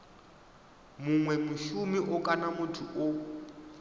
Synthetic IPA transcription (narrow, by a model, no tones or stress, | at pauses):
mʊŋwɛmʊʃumiʔʊkʼanamʊtʰuʔʊ